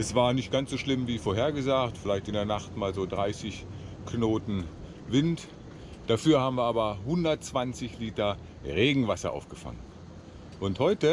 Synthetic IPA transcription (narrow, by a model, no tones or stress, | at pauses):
ʔɛsv̥aːɐnɪçt̚ɡ̥ansz̥oːʃlɪmviːfoɐɦeːɐɡəzaːktfɪlaɪçtɪndeɐnaχtmaːlzoːdʁaɪsɪç | knoːtn̩ | vɪnt | d̥afyːɐhaːbm̩viɐʔaːbɐhʊndɐtt͡sv̥ant͡sɪçliːtɐ | ʁeːɡŋ̩vasɐ̰ʔa̰ʊfɡ̥əfa̰ŋən | ʔʊnthɔʏtə